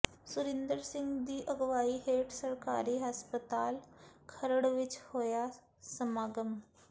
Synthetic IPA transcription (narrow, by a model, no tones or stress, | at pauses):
suɾɪnd̪əɾsɪŋɡd̪iːʔəɡʋaːiɦeːʈʰsəɾka̰ːɾiːɦaspət̪aːlkʰəɾəɽʋit͡ʃhoja | səmaːɡəm